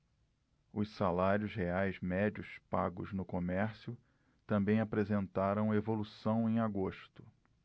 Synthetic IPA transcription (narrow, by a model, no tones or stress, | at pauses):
ʊssalaɾjʊzheajzmɛd͡ʒʊspaɡʊ̰znʊkomɛɾsjʊ | t̪ɐ̃mbẽj̃apɾezẽnt̪aɾɐ̃w̃ɐevolusɐ̃w̃ẽj̃aɡoʃt̪ʊ̥